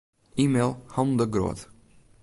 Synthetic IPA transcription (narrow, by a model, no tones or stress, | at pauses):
iːmelˠhɑnd̪əɡɾo̰ːt̪